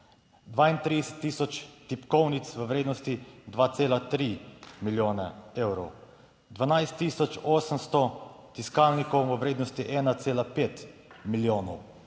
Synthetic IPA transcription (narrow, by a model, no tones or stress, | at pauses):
d̪ʋaːint̪ɾid̪ɛsɛ̥t̪ːiːsɔt͡ʃt̪ipkɔwnit̪sʋəʋɾeːd̪nɔst̪id̪ʋaːt̪seːlat̪ɾimiljoːnɛ̰eːwɾɔw | d̪ʋanajst̪ːiːsɔt͡ʃɔːsəmst̪ɔ | t̪iskawnikɔwʋəʋɾeːd̪nɔst̪iʔɛːnat̪seːlapeːt̪miljoːnɔw